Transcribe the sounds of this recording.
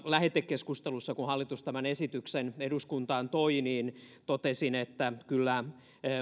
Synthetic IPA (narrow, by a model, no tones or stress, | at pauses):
læhet̪ːekːeskust̪elusːɑkuhɑlːit̪ust̪æmænesit̪ykseneduskunt̪ɑːnt̪oiniːnt̪ot̪esinet̪ːækylːæ